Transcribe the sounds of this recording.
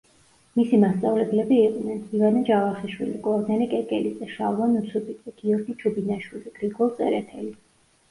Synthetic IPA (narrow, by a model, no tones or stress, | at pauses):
misimast̪sʼavlɛblɛbiːqʼnɛnivanad͡ʒavaχiʃwḭlikʼɔɾd̪ɛnɛkʼɛkʼɛlid̪ɛʃa̰vˠanut̪sʰubʰʼid̪ɛɡ̥iɔɾɡit͡ʃʰubinaʃwiliɡ̥ɾiɡɔlˠt̪ʼɛ̰ɾɛt̪ʰɛli